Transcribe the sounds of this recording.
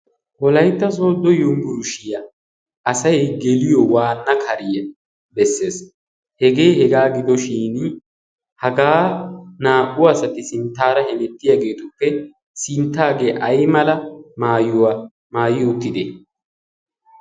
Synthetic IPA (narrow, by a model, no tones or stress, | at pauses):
wɔlɐjt̪ːɐso̞ːd̪ːɔjʊmɡʊɾʊʃɪjɐ | ʔɐsɐjɡɛlɪjɔwaːnːɐkʰɐɾɪjɛ | bɛsːe̞ːs | hɛɡe̞ːhɛɡaːɡɪd̪ɔʃiːn | hɐɡaːnaːʔʼʊɐsɐt̪ɪsɪnt̪ːaːɾɐhɛnɛt̪ːɪjaːɡe̞ːt̪ʊpːɛ | sɪnt̪ːaːɡe̞ːʔɐjmɐlɐmaːjʊwa | maːjɪjɔt̪ːɪd̪e